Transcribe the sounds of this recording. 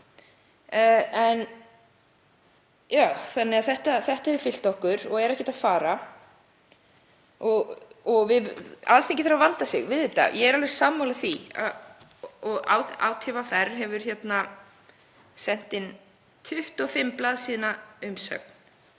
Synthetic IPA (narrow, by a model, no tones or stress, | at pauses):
ɛn | jaːwθanːɪɣaθɛht̪aθɛht̪ahɛvʏɾ̥fɪl̥t̪ɔhkʏɾɔɣɛɾɛhcɪt̪afaːɾa | ɔɣɔɣvɪðalθeŋcɪθaɾavant̪asɪ̰ɣvɪððɪt̪a̰jɛɛɾalvɛɾ̥saːmːawlaθia̰ | ɔɣa̰wa̰ːwt̪ʰɪvaθɛrɦɛvʏɾ̥çɛt̪na | sɛn̥t̪ɪn | t̪ʰʏht̪ɔfɪmːplaːðsiːnaʏmsœ̰k̚n̥